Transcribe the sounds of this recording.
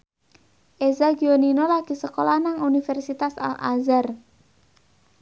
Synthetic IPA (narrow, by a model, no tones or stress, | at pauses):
ʔezaɡioninolaɡ̥i̤səkolanaŋunifɛrsit̪asa̰lʔa̰zar